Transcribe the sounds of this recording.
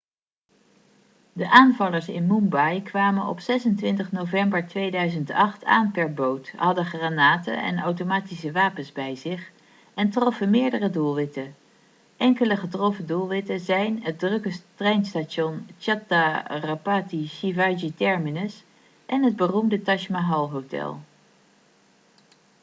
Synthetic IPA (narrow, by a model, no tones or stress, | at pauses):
dəʔaːnvɑləɹsɪ̰nmumbɑjkʋaːmənɔ̰psɛsəntʋɪntəχnowvɛmbəɹtʋejdœɥzəntɑχtʰa̰ːnpɛɹbowthɑdəχraːnaːtə̰ɛ̰nawtomaːtisəʋaːpənzbɛjzɪχ | ɛntrɔfəmɪːɹdərədulˠʋɪtə | ʔɛŋkələχətrɔfədulˠʋɪtəzɛjnɦət̚drɵkəstrɛjnstaʃɔnt͡ʃatarapaːtiʃivad͡ʒitɛɹminəs | ʔɛnɦəd̚bərumdətɑʃmaɦɑlˠɦowtɛ̰lˠ